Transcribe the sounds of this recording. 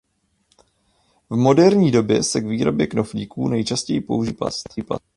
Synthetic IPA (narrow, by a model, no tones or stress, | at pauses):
vmo̞dɛɾɲiːdo̞bjɛsɛɡviːɾo̞bjɛkno̞fɲiːkuːnɛjt͡ʃascɛjipouʒipa̰st̪iːpa̰